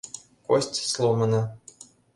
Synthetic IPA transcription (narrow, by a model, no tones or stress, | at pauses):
kosʲtʲslˠomɤ̆nɤ̆